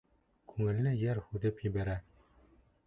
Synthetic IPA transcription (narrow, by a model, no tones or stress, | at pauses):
kʰʉŋɘ̆lːɘjæɾhʉðɘpjɘ̆βæɾæ